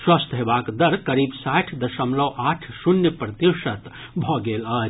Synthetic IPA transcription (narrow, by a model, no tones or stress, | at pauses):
swɐst̪ʰɦebaːkd̪əɾkəɾiːbsaʈʰd̪əʃəmləwʔaʈʰsunjəpɾɐt̪jiʃət̪ | bʱɔɡeləd͡ʒ